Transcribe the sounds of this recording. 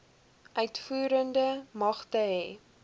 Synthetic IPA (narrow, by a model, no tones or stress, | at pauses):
ʔœɥtfuːɾəndəmɐχtəɦɛ